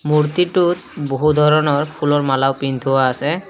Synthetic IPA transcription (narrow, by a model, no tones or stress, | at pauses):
muɹt̪iʈut̪̚boɦud̪ʱɔɹɔnɔɹpʰulɔɹmalawpind̪ʱuwaːsɛ